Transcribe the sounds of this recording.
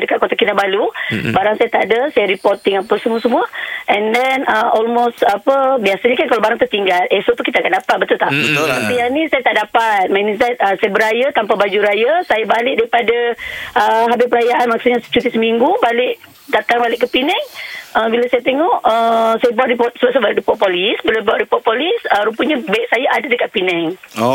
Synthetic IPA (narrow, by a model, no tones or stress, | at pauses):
dəkat̪̚kot̪akinabalubaɾaŋsajat̪aʔdəsajaɾipɔrt̪ːiŋapəsəmuəsəmuəʔɛndɛnəɔlmost̪apəbiasaɲakankalabaɾaŋt̪ət̪iŋɡalesoʔt̪ukit̪akandapat̪̚bət̪ult̪aʔbət̪ʊlapijanĩsajat̪aʔdapat̪̚manisat̪̚əsajabəɾajat̪ampabad͡ʒuɾajasajabalɪʔ̚daɾipadaəɦabɪpəɾajaʔanmaksuɲat͡ʃut̪isəmiŋɡubalɪʔ | dat̪aŋbalɪʔkːəpinɛŋəbilasajat̪eŋɔʔəsajabaʔɾipɔt̪̚səbaʔsabaʔdipɔt̪̚polisbilabaʔɾipɔt̪̚polisəɾupəɲabaik̚sajaʔadadəkaʔ̪̚pinɛŋ